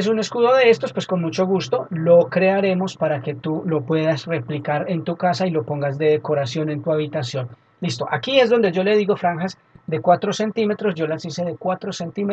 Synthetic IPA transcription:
es̬une̞skuðo̞ðe̞est̪o̞spwesko̞nmut͡ʃo̞ɣust̪o̞lo̞kɾe̞aɾe̞mo̞spaɾake̞t̪ulo̞pwe̞ðasre̞plikaɾe̞nt̪ukasailo̞po̞ŋɡazd̪e̞ðeko̞ɾasjo̞ne̞nt̪uaβit̪asjo̞n | list̪o̞ʔakie̞zd̪o̞nd̪e̞ʝo̞le̞ðiɣo̞fɾaŋxas | d̪e̞kwat̪ɾo̞se̞nt̪ime̞t̪ɾo̞zd͡ʒo̞lasise̞ðe̞kwat̪ɾo̞se̞nt̪ime

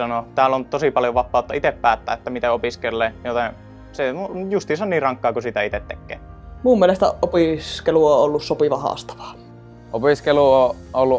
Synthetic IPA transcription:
ɑnot̪æːlːont̪osipɑljoʋɑpːˑɑˑut̪ːɑit̪eppæːt̪ːæ̰ːʔet̪ːæmit̪æopiskelːeːjot̪e | sejust̪iːsoniːrɑŋkːˑɑːkusit̪æit̪et̪ːḛkːˑḛːmuːmːielest̪æʔopiskeluoolːussopiʋɑhɑ̰st̪ɑ̥ʋɑ̥ː | opiskeluo | ʔolːu

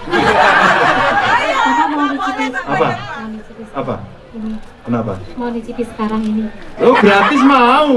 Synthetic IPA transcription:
isamanit͡ʃipasapamaunit͡ʃipisapa̰ | inipənapa̰maunit͡ʃipisə̥kaɾaŋiniobɾatɪs̬mau

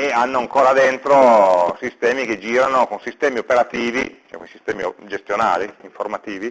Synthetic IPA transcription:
eanːoaŋkoːɾad̪ent̪ɾosist̪ɛːmiked͡ʒiːɾanokonsist̪ɛːmiopeɾat̪iːvit͡ʃɛko̰nisist̪ɛːmḭd͡ʒest̪jona̰ːliiɱformat̪iːvi

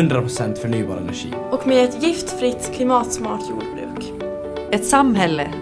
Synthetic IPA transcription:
ɵnd̪ɾapʰɾʊsɛnt̪fœɾɳyːbɑːɾaɛ̰næ̰ɧḭːɔkmeːɛt̪jɪft̪fɾɪt̪ːkʰlɪmɑːt̪smɑːʈʰjṵːɖbɾʉ̰ːk | ɛt̪samɦɛlːə

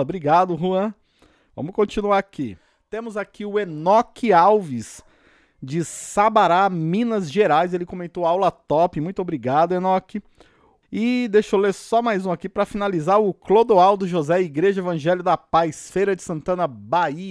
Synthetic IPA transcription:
ɐbɾiɡad̪ʊɦuɐ̃ | vɐ̰̃mʊkõt͡ʃinuaɾaki | t̪ẽmʊzakiʊenɔkɪawvis | d͡ʒɪsabaɾamĩnɐzʒeɾajzelɪkõmẽnt̪owawlɐt̪ɔpɪmũj̃t̪obɾiɡad̪ʊenɔkɪ | ɪd̪ejʃoleɾsɔmajzũakipɾɐfinalizaɾʊklod̪oawd̪ʊʒozɛiɡɾeʒɐevɐ̃ʒɛlɪʊd̪ɐpajsfejɾɐd͡ʒɪsɐ̃nt̪ɐ̃nɐbaiɐ

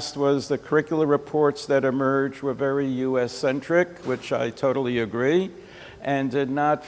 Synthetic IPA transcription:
st̚wʌzðɨkʰə˞ɪkjl̩ˠə˞ɹɨpʰɔɹtsðɨɾɨmɜ˞d͡ʒwəvɛɹijʉɛsɛ̃nt͡ʃɹ̥ɪkwɪt͡ʃa̰ɪtʰoʊɾl̩ˠiɨɡɹi | ʔɨ̃ndɪdⁿnət

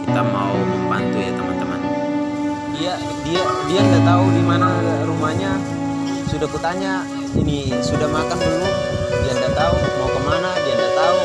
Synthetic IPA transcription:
kit̪ama̰uməba̰nt̪ujat̪əmant̪əma̰n | dia | diadiandaʔt̪auɡimanaɾumahɲa | sudahkut̪aɲa | ḭnisudahmakant̪uŋu | diandaʔt̪aumaukəmanadiandaʔt̪au

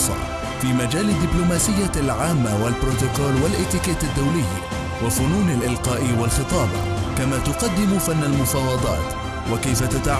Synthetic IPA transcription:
sˤɑ̰ | fiːmad͡ʒaːlɪd̪ːɪblʊmaːsɪjːalʕaːmːawalbɾʊt̪ʊkoːlwalʔɪt̪ːɪkaːt̪ad̪ːawlɪjː | wafʊnuːnalʔɪlqɑːʔɪwalxɨt̪ˤɑːb | kamaːt̪ʊqɑd̪ːɪmʊfanːalmʊfɑːwɑd̪ˤɑ̰ːt̪ | wakajfat̪at̪a

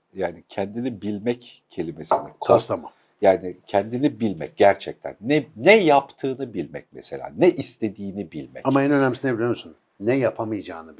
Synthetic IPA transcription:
jaːnicʰɛnd̪inibilʲmɛc | cʰe̞lʲime̞sinik̪ʰost̪ʰamam | jaːnicʰɛnd̪inibilʲmɛ̰c̚ɟæɾt͡ʃʰɛc̚t̪ʰæ̰nːɛːɛjapt̪ʰɯːnɯbilʲmɛ̰c̚mɛ̰se̞lʲa̰ːnɛʔist̪ʰe̞d̪iːnibilʲmɛ̰amaɛnø̞næmisinebilʲemosun | nɛjapʰamɯjd͡ʒaːnɯb

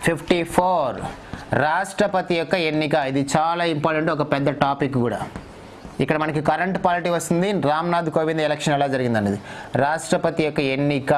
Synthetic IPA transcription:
pʰipʰʈipʰoːɾ | ɾaːʂʈɾɐpɐt̪ijɔkːɐenːikɐid̪it͡ʃaːlaːimpaːɾʈeɳʈɔk̬ɐpɛd̪ːɐʈaːpikɡuːɽa̰ː | ikːɐɽɐmɐnɐkikɐɾɐɳʈpaːliʈiʋɐst̪und̪iɾaːmnaːd̪ʱukoːʋind̪ɛlɛkʂɐnɛlaːd͡ʒɐɾiɡind̪ɐnːɐd̪iɾaːʂʈɾɐpɐt̪ijɔkːɐenːikɐ

